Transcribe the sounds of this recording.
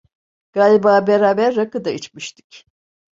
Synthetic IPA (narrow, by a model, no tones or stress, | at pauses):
ɡ̥aːlʲibaːbeɾaːbæɾːakɯd̪ait͡ʃmiʃt̪ʰi̥c